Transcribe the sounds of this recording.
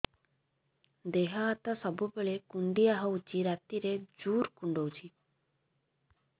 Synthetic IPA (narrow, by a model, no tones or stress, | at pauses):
d̪eɦaːt̪asəbubeɭekuɳɖijaɦəut͡ʃiɾat̪iɾed͡ʒuːɾkuɳɖowt͡ʃʰi